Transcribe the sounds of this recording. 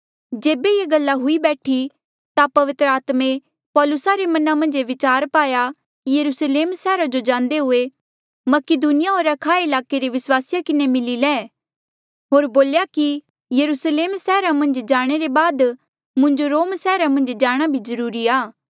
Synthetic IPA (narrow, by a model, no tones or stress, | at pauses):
d͡ʒeːbejeɡɐlːaɦʊibɛːʈʰi | t̪apɐʋɪt̪ɾəaːt̪mẽ | pɔːlʊsaɾemɐnamɐ̃nd͡ʒeʋɪt͡ʃaːɾpaːja | kijɐɾusleːmsɛːɾad͡ʒod͡ʒãːnd̪eɦʊe | mɐkɪd̪uːnɪjaɦoːɾakʰaːeɪlaːkeɾeʋɪswaːsɪjakɪnemɪlilɛ̃ː | ɦoːɾboːljaki | jɐɾuːsleːmsɛːɾamɐ̃nd͡ʒd͡ʒaːɽ̃eɾebaːd̪ | mʊ̃ɲd͡ʒoɾoːmsɛːɾamɐ̃nd͡ʒd͡ʒaːɽ̃abʱizɐɾuːɾiaː